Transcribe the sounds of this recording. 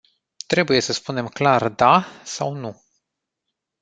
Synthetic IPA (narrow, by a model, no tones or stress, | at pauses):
t̪ɾe̞buje̞səspune̞mklard̪asawnu